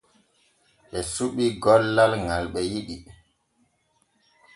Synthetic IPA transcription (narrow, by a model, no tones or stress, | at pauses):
ʔɛsuɓiɡɔlːalŋalɓɛjiɗi